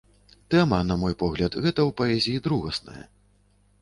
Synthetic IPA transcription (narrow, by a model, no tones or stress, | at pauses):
t̪ɛmɐnɐmɔjpɔɣlʲɐt̪ɣɛt̪ɐwpɐɛzʲijid̪ɾuɣɐsnɐ̰jɐ̰